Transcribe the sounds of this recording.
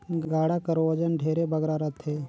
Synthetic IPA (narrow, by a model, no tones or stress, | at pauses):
ɡaːɽakəɾoəd͡ʒənɖʱeːɾebəɡɾaɾət̪ʰːeː